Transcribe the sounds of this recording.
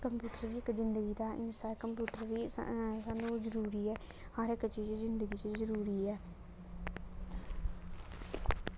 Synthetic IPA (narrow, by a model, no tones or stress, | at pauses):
kəmpjuːʈəɾʋiːɪkzɪnd̪əɡiːd̪aːʔɪnsaːɾkəmpjuːʈəɾʋḭːsaːnũːzəɾuːɾiːɛː | haːɾɪkt͡ʃiːd͡ʒzɪnd̪əɡiːt͡ʃzəɾuːɾiːɛː